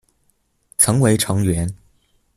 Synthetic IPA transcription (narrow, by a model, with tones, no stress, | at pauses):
t͡sʰɤ˧˥ŋwe˧˥ɪʈ͡ʂʰɤ˧˥ŋɥɛ˧˥n